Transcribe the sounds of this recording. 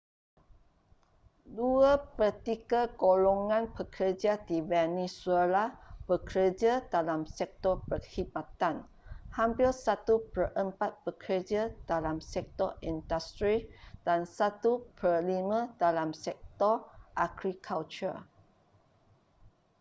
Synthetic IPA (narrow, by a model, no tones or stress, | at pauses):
duəpərt̪ikaɡoloŋãnpəkʰəd͡ʒadivɛnisuelab̥əkəəd͡ʒadalamsɛk̚t̪ɔpərhimãt̪an | hampilsat̪upərʔəmpat̪̚b̥əkʰərd͡ʒadalamsɛk̚t̪ɔindast̪ɾid̥ansat̪upəlimə̃dalamsɛk̚t̪ɔrʔaɡɾikʰalt͡ʃṵ